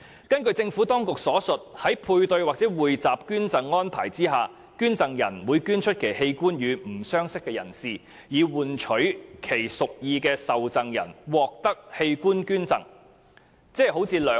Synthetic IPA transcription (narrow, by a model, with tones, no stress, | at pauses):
kɐ˥nkɵ˧ɥt͡sɪ˧ŋfuː˨˥t̪ɔː˥ŋkʊ˨k̚sɔː˨˥sɵ˨t̚hɐ˨˥jpʰuː˧jt̪ɵ˧ɥwaː˨k̚t͡sɛː˨˥wuː˨jt͡saː˨p̚kyː˥nt͡sɐ˨ŋːɔː˥npʰa̰ː˨˩jt͡siː˥ɦaː˨ | kyː˥nt͡sɐ˨˩ŋjɐ˨˩nwuː˨˧jkyː˥nt͡ʃʰɵ˥t̚kʰe˨˩jhe˧jkuː˥njyː˨˧m̩˨˩sœː˥ŋsɪ˥kːɛː˧jɐ̰˨˩nsiː˨˩ | jiː˨˧wuː˨˩nt͡ʃʰɵ˨˥ɥkʰe˨˩jsʊ˨k̚jiː˧kɛː˧sɐ˨wt͡sɐ˨ŋjɐ̰˨˩nwɔː˨k̚t̪ɐ˥k̚he˧jkuː˥nkyː˥nt͡sɐ̰˨ŋ | t͡sɛː˥˩ho˨˥wt͡sʰiː˨˧lœː˨